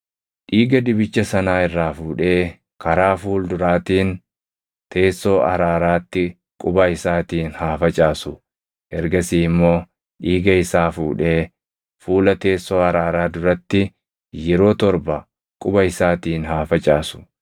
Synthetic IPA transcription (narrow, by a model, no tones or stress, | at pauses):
ᶑiːɡɐd̪ɪbɪt͡ʃːɐsɐnaːɪrːaːfuːᶑe̞ː | kɐɾaːfuːld̪ʊɾaːt̪iːn | t̪ʰe̞ːsːo̞ːʔɐ̰ɾaːɾaːt̪ːɪ | kʼʊbɐɪsaːt̪iːnhaːfɐt͡ʃʼaːsʊ | ʔɛɾɡɐsiːɪmːo̞ː | ᶑiːɡɐɪsaːfuːᶑe̞ː | fuːlɐt̪e̞ːsːo̞ːɐɾaːɾaːd̪ʊɾɐt̪ːɪ | jɛɾo̞ːt̪ɔɾbɐ | kʼʊbɐɪsaːt̪iːnhaːfɐt͡ʃʼaːsʊ̥